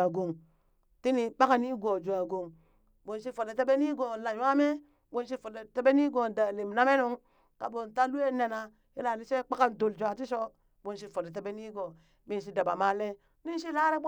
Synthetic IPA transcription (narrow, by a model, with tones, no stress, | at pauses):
a˨ɡo˨ŋ | ti˦ni˦ɓa˦ka˨ni˦ɡo˨d͡ʒu˨a˨ɡo˨ŋ | bo˨n˨ʃ̬i˦fo˨le˨te˦be˦ni˦ɡo˨la˨jwa˦me˦ | bo˦n˦ʃ̬i˦fo˨le˨te˦be˦ni˦ɡo˨da˨le˨mna˦me˦nu˦ŋ | ka˨bo˨nta˦lu˦e˦ne˨na˨ | ji˦la˨ni˦se˦k͡pa˦ka˦n˨do˨ld͡ʒʷa˨ti˦ʃo˦ | bo˨ns̬i˦fo˨le˨te˦be˦ni˦ɡo˨ | mi˦n˨ʃ̬i˦da˨ba̰˨ma˦le˦ | ni˦ʃi˦la˦ɾe˦b